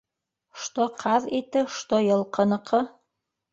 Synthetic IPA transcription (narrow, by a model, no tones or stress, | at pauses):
ʃt̪oqʰɑðit̪ɘʃt̪ojɤ̆lˠqɤ̆nɤ̆qʰɤ